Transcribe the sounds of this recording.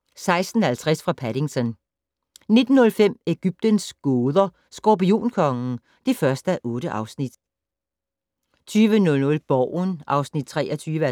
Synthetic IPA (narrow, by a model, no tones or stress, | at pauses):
sɑ̈ɪsd̥n̩hælt͡sʰʁasfʁɑ̈pʰæɾ̥iŋt͡sʰɒn | ne̝d̥n̩ːɔ̽lfem̰e̝ɡ̥yb̥̚d̥ənsɡ̥oːðˠɐ | sɡ̥ɒpio̝̰ːnkʰɒ̽ŋn̩ | d̥e̝fɶɐsd̥æʔɔ̽ːɾ̥əʔɑ̈ʊsnid̥ | t͡sʰyːʋənɔ̽lnɔ̽lb̥ɒʊ̰nʔɑ̈ʊsnid̥̚t͡sʰʁɛːʔɐt͡sʰyːʋə